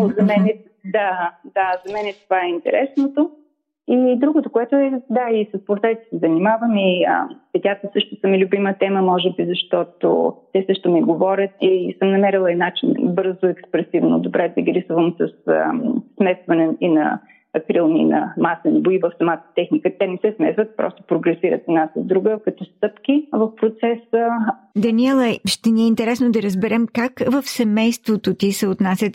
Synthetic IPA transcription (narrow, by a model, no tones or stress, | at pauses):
ozɐmɛnɛ | d̪ad̪azɐmɛnɛt̪ovaɛint̪ɛ̰ɾɛsnot̪o | id̪ɾuɡot̪okoɛt̪ʊɛd̪aisɐspoɾt̪ɛit̪ɛ̥sɛzɐnimavəmiə̰pɛt̪ʲat̪əsɤʃt̪ʊsəmilʲʊbimət̪ɛməmɔʒɛbizɐʃt̪ɔt̪o̰ː | ɛsɤʃt̪omiɡovɔɾʲət̪̚isəmnɐmɛɾilˠəɛnat͡ʃinbɤɾzʊɛkspɾɛsivno̰d̪obɾʔɛd̪ɐɡɾisvəmsɐs | smɛsvɐnɛinɐ̰ | ɐkɾilˠnḭnɐ̰masənboivəfsɐmat̪ə̥t̪ɛxnikət̪ɛnɛsɛsmɛsvət̪̚pɾɔ̰st̪o̥pɾoɡɾɛsiɾə̰t̪ɛd̪nasəzd̪ɾuɡəkɐt̪ɔst̪ɤpkʲivəfpɾot̪sɛsə | d̪ɐniɛlˠɐʃt̪ɛniɛint̪ɛɾɛsnod̪ɐɾəzbɛɾɛmkakvəfsɛmɛjst̪vot̪ot̪isɛot̪nasʲət̪